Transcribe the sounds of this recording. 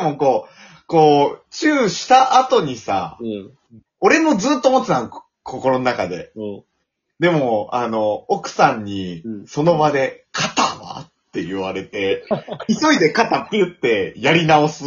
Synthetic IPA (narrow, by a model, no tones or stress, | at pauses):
demoko̞ː | ko̞ːt͡ɕɨːɕi̥t̪aʔːt̪o̞ɲ̟isa̰ | o̞ɾe̞mo̞d͡zɨːt̪ːomot̪ːeãn | kʰo̞ko̞ɾo̞nonakad̪e̞̰ | d̪e̞mo̞ano̞okɯ̟̥sãɲ̟ːiso̞no̞bad̪e̞kʰat̪a̰βa̰t̪ːe̞jɯβaɾe̞t̪e̞iso̞id̪e̞kat̪at̪ːejɯ̟t̪ːe̞jaɾʲinaosɨ